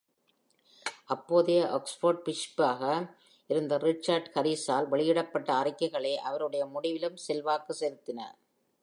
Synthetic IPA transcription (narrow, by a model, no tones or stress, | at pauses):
ʔɐpːoːðɪjɐʔɔksfoːʈ̚pɪʂpaːɣɐ | ɪɾɯnd̪ɐɾɪʈt͡ʃːaːɾɖkɐɾiːsaːlʋɐɭɪjɪɽɐpːɐʈːɐːrɪkːɐɪɣɐɭɐɪʔɐʋɐɾɯɽɐjɐmʊɽɪʋɪlɯmsɛlʋaːkːɯsɛɾɯt̪ːɪnɐ̰